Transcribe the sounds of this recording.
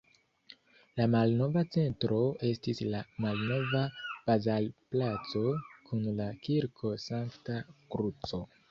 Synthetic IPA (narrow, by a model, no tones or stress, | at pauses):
lamalno̞vat͡se̞ntɾo̞e̞stislamalno̞vab̥azalplat͡so̞kʰunlakiɾkʰo̞saŋktakɾut͡so̞